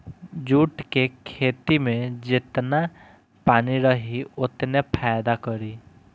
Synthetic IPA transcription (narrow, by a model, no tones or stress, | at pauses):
d͡ʒuːʈkekʰeːt̪imẽd͡ʒɪt̪na | paːniɾəɦiʊt̪nepʰaːjd̪akəɾi